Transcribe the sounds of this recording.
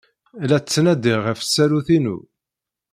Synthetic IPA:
læt͡sːnæd̪ɪʁəfsːæluθinṵ

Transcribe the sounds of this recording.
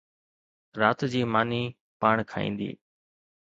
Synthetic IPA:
ɾaːt̪d͡ʑiːmaːniː | paːɳ̃kʰaːḭ̃ːnd̪ḭː

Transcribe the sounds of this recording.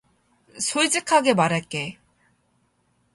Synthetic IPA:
sʰoɭid͡ʑikʰaɡe̞maɾaɭk͈e̞

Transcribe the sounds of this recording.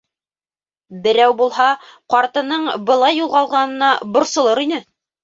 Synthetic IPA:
bɘ̆ɾæwbulˠhɑqɑɾt̪ɤ̆nɤɴbɤ̆lˠɑjːulˠʁɑlˠʁɑnɤ̆nɑbŏɾsŏlˠɤɾinɘ

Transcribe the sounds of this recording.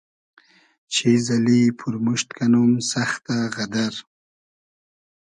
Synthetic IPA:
t͡ʃʰezalipʰuɾmuʃt̪kanumsaxt̪aɣad̪aɾ

